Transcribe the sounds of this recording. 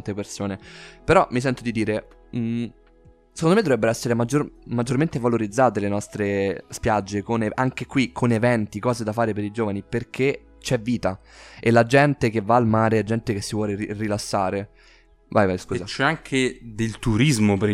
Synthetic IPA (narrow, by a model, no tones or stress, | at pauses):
nt̪epersoːnepeɾɔmis̬ɛnt̪od̪id̪iːɾe | se̥kond̪omed̪ovɾɛbːeɾoɛsːeɾemad͡ʒormad͡ʒːorment̪evaloɾid̪zːaːt̪elenɔst̪ɾespjad͡ʒːekoneʔaŋk̟ekwikʰonevɛnt̪ikɔːzed̪afaːɾepeɾid͡ʒoːvaniperkʰe | t͡ʃɛvːiːt̪a | elad͡ʒɛnt̪ekevːaːlmaːɾead͡ʒɛnt̪ekesːivwɔːleirilasːaːɾe | vajvajskuːzat͡ʃːɛaŋkʰed̪elt̪uɾizmopeɾi